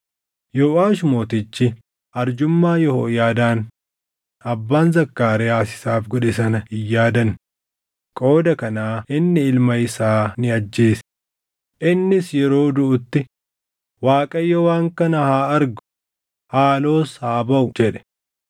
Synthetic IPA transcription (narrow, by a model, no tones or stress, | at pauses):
joːaːʃmo̞ːt̪ɪt͡ʃːɪ | ʔɐɾd͡ʒʊmːaːjɔho̰ːjaːd̪aːn | ɐbːaːnzɐkːaːɾɛaːsɪ̥saːfɡɔᶑɪsɐnɐɪjːaːd̪ɐn | kʼo̞ːd̪ɐkɐnaːɪnːɪɪlmɐɪsaːnɪɐd͡ʒːe̞ːs | ʔɪnːɪsjɛɾo̞ːd̪ʊʔʊt̪ːɪ | waːkʼɐjːɐwaːŋkɐnɐhaːɐɾɡʊ̥ | haːlo̞ːshaːbɐʔʊd͡ʒɛᶑɛ̥